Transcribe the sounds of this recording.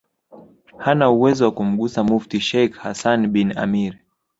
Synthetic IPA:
hanauwɛzɔwakum̩ɠusamuftiʃɛjkhasanɓina̰miɾ

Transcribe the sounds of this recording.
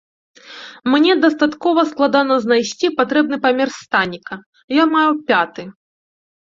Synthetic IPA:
mnʲɛd̪ɐst̪at̪kɔvɐsklˠad̪anɐznajsʲt͡sʲipat̪ɾɛb̚nɨpɐmʲɛrst̪anʲikɐ | jɔmajupʲat̪ɨ

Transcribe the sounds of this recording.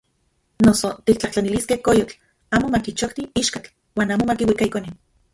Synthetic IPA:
nosot̪ik̚t͡ɬaht͡ɬaniliskehkojot͡ɬ | aːmomakit͡ʃokt̪iiʃkat͡ɬ | waːnaːmomakiwikaikonin

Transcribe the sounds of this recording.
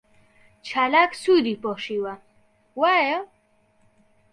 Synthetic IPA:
t͡ʃʰalaksud̪ipoʂiwa | wajo

